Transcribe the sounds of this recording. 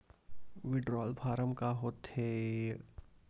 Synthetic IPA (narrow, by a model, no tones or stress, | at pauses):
ʋɪɖɾɔːlbʰʱaːɾəmkaɦoːt̪heː